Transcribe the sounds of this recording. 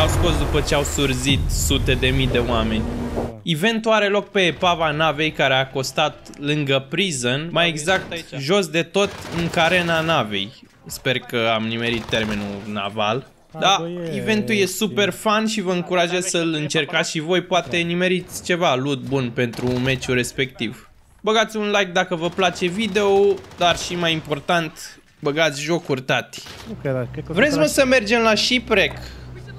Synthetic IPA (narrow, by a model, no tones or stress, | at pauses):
awsko̞sd̪upət͡ʃe̞awsurzit̪sut̪e̞d̪e̞mijd̪e̞oame̞nʲive̞nt̪uaɾe̞lo̞k̚pe̞ːpavanave̞jkaɾeako̞st̪at̪̚lɨŋɡəpɾizənmajeɡzak̚t̪ʒo̞sd̪e̞t̪o̞t̪ɨŋkaɾe̞nanave̞̰j | spe̞rkəamnime̞ɾit̪ːe̞rmenuna̰va̰l | d̪aive̞nt̪uje̞supe̞rfanʃivəɨŋkuɾaʒezʲsəlɨnt͡ʃe̞rkat̪sʲʃivo̞jpoat̪e̞nime̞ɾit̪sʲt͡ʃe̞valud̪̚bunpe̞nt̪ɾume̞t͡ʃuɾe̞spe̞k̚t̪iv | bəɡat̪sʲunlajk̚d̪akəvəplat͡ʃe̞vid̪e̞od̪arʃimajimpo̞rt̪ant̪ | bəɡat̪sʲʒo̞kurt̪at̪ʲ | vɾe̞t̪ʲməsəme̞rd͡ʒe̞mlaʃipɾek